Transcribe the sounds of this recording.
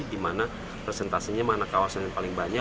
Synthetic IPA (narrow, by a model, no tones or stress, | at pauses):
dimana | pɾɛsɛnt̪asiɲamanakawasanjaŋpalɪŋbaɲa